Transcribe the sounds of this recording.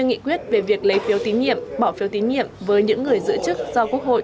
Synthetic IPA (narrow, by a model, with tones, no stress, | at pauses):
ŋḭ˧˨kwi˦˥ət̚ve˨˩vi˨˩ək̚lə˨˦jfi˨˦wt̪i˨˦nɲḭ˧˨əmɓaː˧˩wfi˨˦wt̪i˨˦nɲḭ˧˨əmvəː˨˦jɲɨ̰˧˥ŋːɨ˨˩əjzɨ̰˧˥ət͡ɕɨ˦˥k̚zɔ˧ku˦˥ək̚ho̰˧˨